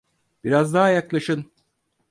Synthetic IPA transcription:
b̥iɾazd̪aɦajaklˠaʃɯn

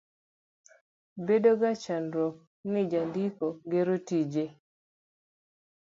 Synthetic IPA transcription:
bedoɡat͡ʃanɾɔk | nɪd͡ʒandikoɡeɾotid͡ʒe

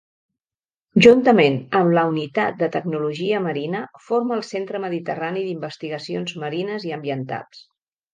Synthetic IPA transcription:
ʒunt̪əmenəmləunit̪at̪̚d̪ət̪əɡnuluʒiəməɾinəfoɾməːlˠsent̪ɾəməðit̪əraniðimbəst̪iɣəsionzməɾinəziəmbiənt̪a̰ls

